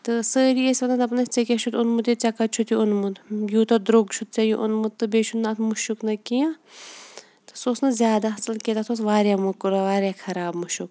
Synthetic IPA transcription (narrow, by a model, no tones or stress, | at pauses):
t̪ɨsəːɾiesʲɐlɐnɐpnɐst͡sɐkʲɐt͡ʃʰut̪unmut̪it͡sʲɐkɐt͡ʃʰut̪juʊnmud̪juːt̪ɐd̪ɾoɡt͡ʃʰut̪̚t͡sʲajuʔʊnmɨd̪t̪ːɨbeːt͡ʃʰunːaːt̪ʰmuʃuknɐkijãː | t̪ɨ̥soːsnɨzʲjaːd̪aɦɐsɐlket̪at̪ʰoːsʋaːɾjamukuɾaʋaːɾʲjakʰɐɾaːbmuʃuk